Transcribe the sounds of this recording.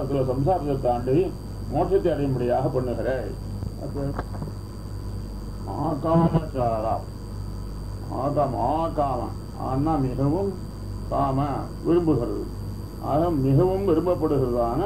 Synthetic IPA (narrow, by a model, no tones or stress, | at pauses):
ɐt̪ːɯlɐsɐms̬aːɾɪt͡ʃːɐt̪ːaːɳɖi | moːʈʂɐt̪ːɐɐɽɐjɐmbɐɽɪjaːɣɐpːɐɳːɯɣɪɾeː | ɐ̰tːɐ | aːkaːmɐt͡ʃaːɾa̰ː | a̰ːkaːmɐ̰aːkaːmɐ̰ | a̰ːnːãːmɪɣɐʋɯm | kaːmɐ | ʋɪɾɯmbɯɣɪɾɐ̰ðɯ̰ | aːɣɐmɪɣɐʋɯmʋɪɾɯmbɐpːɐɽɯɣɪɾɐðaːnɐ